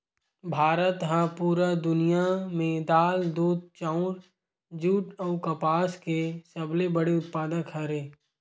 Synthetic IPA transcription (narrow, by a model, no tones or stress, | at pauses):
bʱaːɾət̪ɦãpuːɾad̪ʊnijamẽd̪aːld̪uːd̪̚t͡ʃãʊ̃ɾ | d͡ʒuːʈɐʊkɐpaːskesɐblebəɽeʊt̪̚paːd̪əkɦɐɾeː